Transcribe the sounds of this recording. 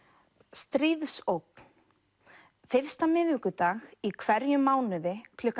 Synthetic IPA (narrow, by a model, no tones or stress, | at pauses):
st̪ɾiːðsowkn | fɪr̥st̪amɪðvɪhkʏt̪aːɣikʰvɛɾjʏmːaːwnʏðɪkʰlʏkː